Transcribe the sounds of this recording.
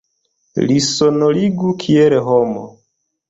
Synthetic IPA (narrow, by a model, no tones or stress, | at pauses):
lisonoliɡukʰieleɦomo̰